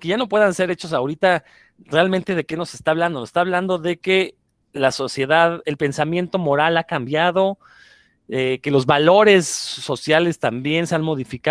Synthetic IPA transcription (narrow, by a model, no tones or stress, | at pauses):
keʝano̞pwe̞ðanse̞ɾe̞t͡ʃo̞saoɾit̪a | realmẽnt̪e̞ðe̞ke̞no̞se̞st̪aβ̞land̪o̞nosest̪aβland̪o̞ðe̞ke | laso̞sje̞ðaðe̞lpe̞nsamje̞nt̪o̞mo̞ɾalakambjaðo̞ | eke̞lo̞zβalo̞ɾe̞sːo̞sjale̞st̪ambje̞nse̞anmo̞ðifika